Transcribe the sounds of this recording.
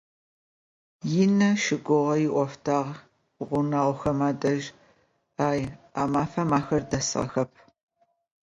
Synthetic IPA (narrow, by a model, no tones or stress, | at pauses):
jɪnɐʃɪɡʷʊʁɐjɪʔʷɔftʰaːʁ | ʁʷʊnaʁʷxɐmaːdɐʒ | aːjaːmaːfɐmaːxɐrdɐsʁɐ̰xɐp̚ʰ